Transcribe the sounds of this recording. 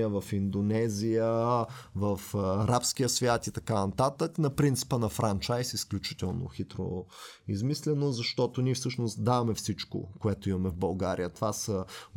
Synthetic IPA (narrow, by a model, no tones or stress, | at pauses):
əvɐfind̪onɛzijəvɐfɐɾapskijəsvʲjat̪it̪ɐkanɐt̪at̪əknɐpɾint̪si̥pənɐfɾant͡ʃajsisklʲut͡ʃi̥t̪ɛlˠno̰xit̪ɾo̰izmislʲɛnozɐʃt̪ɔt̪oniɛfsɤʃnost̪d̪avɐmɛfsit͡ʃko̰koɛt̪ʊimɐmɛvbɐlˠɡaɾijət̪ovasə